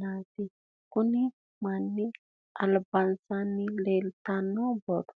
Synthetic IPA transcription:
ati | kuni | manːi | alabansanːilelt̪anoboɾ

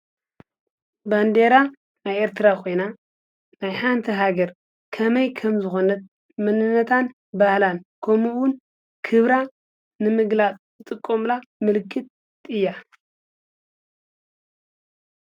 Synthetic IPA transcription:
band̪eɾa | najeɾt̪ʰɨɾakʰo̞jna | najħant̪ʰiɦaɡɐɾ | kʰɐmɐjkʰɐmzɨxo̞nɐt̪̚ | mɨnɨnːɐt̪ʰan | bahlankʰomuwʊn | kʰɨβɾa | nɨmɨɡlat͡sʼzɨt̪ʼɨkʼːomlamɨlkʰːɨt̪̚ | ɨjːa

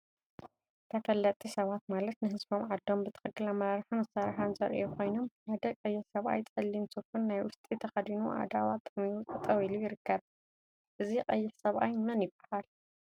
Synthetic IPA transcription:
t̪ʰɐfɐlːɐt̪ʼisɐβat̪malɐt̪nɨɦɨzbo̞mʕad̪ːo̞mbɨt̪ʰɨ̥xɨkːɨlamɐɾaɾħunɨsaɾħanzɐ̰ɾʔekʰo̞jno̞mʔad̪ɐkʼɐjːɪħsɐβʔa̰jt̪ʼɐlːinsufunːajwʊst̪ʼit̪ʰɐxɐd̪inuʔa̰d̪awat̪ʼɨmiut̪ʰɐt̪ʼɐwilujɪɾɨkːɐβ | ʔɨzikʼɐjːɪħsɐβʔajmɐnjɪbahal

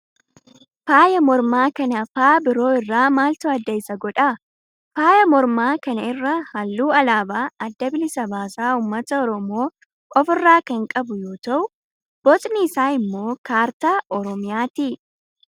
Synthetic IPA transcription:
faːjɐmɔɾmaːkɐnɐfaːbɪɾo̞ːɪrːaːmaːlt̪ɐɐd̪ːɐɪsɐɡɔᶑɐ | faːjɐmɔɾmaːkɐnɐɪrːɐhɐlːuːɐlaːbaːɐd̪ːɐbɪlɪsɐbaːsaːuːmːɐt̪ɐɔɾɔmo̞ː | kʼɔfɪrːaːkɐŋkʼɐbʊjo̞ːt̪ɐʔʊ | b̥ɔt̪ʼniːsaːɪmːo̞ːkaːɾt̪aːʔɔɾɔmɪjaːt̪iː

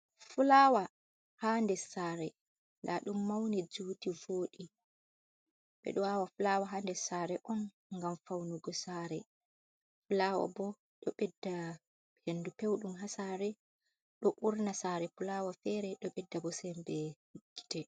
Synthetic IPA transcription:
fulawa | haːndɛsaːɾɛ | ldaɗumːawnɛd͡ʒutivoːɗi | ɓɛ̰ɗɔwawafulawaɦaːndɛsaːɾɛʔɔn | ŋɡamfawnuɡɔsaːɾɛ | fulawa̰bɔ | ɗɔɓɛdːa | henːdupewɗumɦasaɾɛ | ɗɔʔuɾnasaːɾɛfulawafɛɾɛɗɔɓɛdːabɔsɛmbɛhiɡːi̥tɛ

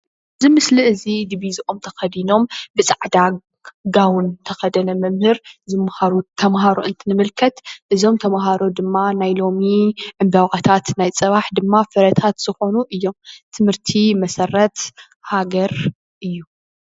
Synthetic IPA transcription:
zɨmɨsliɨzid̪iβizʔo̞mt̪ʰɐxɐd̪ino̞mbɨt͡sʼaʕd̪a | ɡawʊnt̪ʰɐxɐd̪ɐnɐmɨmhɨɾzɨmhaɾut̪ʰɐmɦaɾuʔɨnt̪ʰɨnɨmɨlkʰɐt̪ʔɨzo̞mt̪ʰɐmɦaɾo̞d̪ɨmːanajlomiʕɨmbawʔɐt̪ʰat̪najt͡sʼɐβaħd̪ɨmːafɨɾɐt̪ʰat̪z̥ɨxo̞nuʔɨjːo̞mt̪ʰɨmhɨɾt̪ʰimɐsɐrːɐt̪ | haɡɐɾ | ʔɨjːu

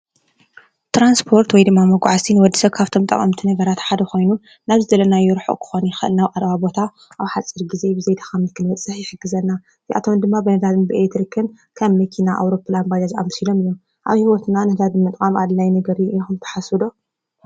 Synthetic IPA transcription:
t̪ʰɾanspʰo̞ɾt̪wɔjd̪ɨmːamɐɡʷʕasʰinwɔd̪ːisɐβkʰaβt̪ʰo̞mt̪ʼɐ̰kʼɐ̰mt̪ʰinɐɡɐɾat̪ħad̪ɐko̞jnu | naβzɨzɐlɐnajɛɾħoʔkʰɨ̥xonixɨʔɨ̰lnaβʔʼaɾβabo̞t̪ʰa | ʔaβħat͡sʼːɨɾɡize̞bɨzejd̪akɐmnɨkʰɨnbɐt͡sʼːɨħjɪħɨɡːɨzɐnːa | ziʔa̰t̪ʰond̪ɨmːabɨnɐd̪ad̪ɨnbɨet̪ɾikʰɨn | kʰɐmːɐkʰinaʔa̰wɾo̞planbad͡ʒaza̰msilo̞mɨjːum | ʔa̰βhiwot̪ʰnanɐd̪ad̪ɨnmːɨt̪ʼkʼamad̪lajnɐɡɐɾiɨjːoxɨmt̪ʰɐ̥ħasud̪o

